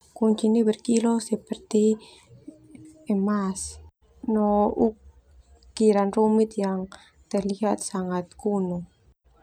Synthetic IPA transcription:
kuɲt͡ʃinebərkilosəpərt̪i | ɛmas | nɔʔuk | kiɾanrumit̪̚jaŋ | t̪ərliɦat̪̚saŋat̪̚kunu

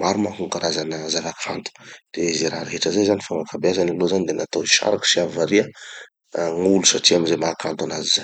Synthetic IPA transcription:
maɾumakuŋkaɾazanəzavaki̥fa̰nt̪u̥d̪̥ezeɾaɾeɦeʈ͡ʂəzajzanifaŋakabeazanilozanid̪enat̪oiʃa̰ɾaku̥siavaɾiə | ŋulusaʈ͡ʂiaminzemakant̪anaziza

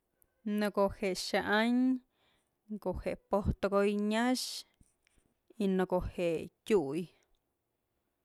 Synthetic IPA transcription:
noɡoheʃaʔaɲ | ɡoxepot̪ɡojɲaʃ | inoɡohetʲuj

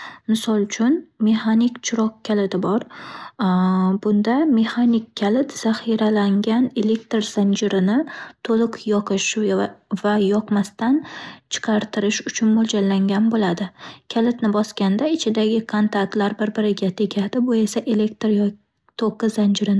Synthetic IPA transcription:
mɪsɒlˠʊt͡ʃʰʊnme̞hanikʲt͡ʃʰʊɾɒkkʲʰːalɪt̪ɪbɒɾ | bʊnd̪ame̞hanɪkʲʰːalɪt̪z̥aχiɾalaŋɡʲane̞le̞k̚ʲt̪ɾz̥and͡ʒɪɾɪnɪt̪ʰolˠɨqjɒqʰɨʃ | vajɒqmast̪ant͡ʃʰɨ̥qʰɑɾt̪ʰɪɾɪʃʊt͡ʃʰʊnmolˠd͡ʒalːaŋɡʲanbolad̪ɪkʲʰalɪt̪nɪbɒskʲand̪aɪt͡ʃʰɪd̪aɡʲɪkʰont̪ʰat̪laɾbɪɾbɪɾɪɡʲat̪ʰe̞kʲʰad̪ɪbʊe̞saʔe̞lekt̪ɾj | t̪ʰoqɨzand͡ʒɪɾɪn

